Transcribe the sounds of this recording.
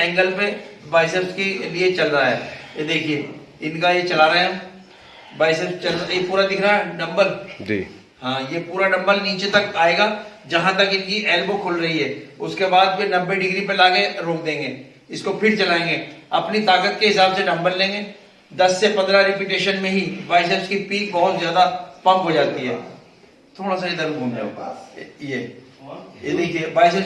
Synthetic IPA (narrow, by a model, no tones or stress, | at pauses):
ɛ̃ːŋɡəlpebaːɪseskeliet͡ʃɐlɾaɦɛ̰ːed̪eːkʰie | ɪnkajet͡ʃɐlaːɾɐeɦɛ̃ | baːɪsest͡ʃɐlajepuːɾad̪ɪkʰɾaɦɛɖɐ̃mbəɾd͡ʒḭ | ɦãːjepuːɾanɐ̃mbəɾniːt͡ʃet̪ɐkaːeːɡaːd͡ʒɐɦãt̪ɐkɪnkiʔɛːlbokʰʊlɾɐɦiɦɛːʊskebaːd̪̚penɐbːeɖɪɡɾipelaːɡeɾoːk̚d̪ẽːŋɡeː | ɪskopʰɪɾt͡ʃɐlaːẽːŋɡeːɐpnit̪aːkət̪̚keɦɪsaːbseɖɐ̃mbəlːẽːŋɡeː | d̪ɐsːepɐ̃nd̪ɾaɾɪpjuʈeːʃənmẽɦiʋaːɪs̬əlskipiːk̚bɐɦʊt̪zjaːd̪apɐ̃mkɦod͡ʒaːt̪iɦɛ̰ː | t̪ʰoːɽas̬aid̪ɐɾmɡʱũːmd͡ʒa̰o̰ɡjeː | diːkʰieʋaːɪsə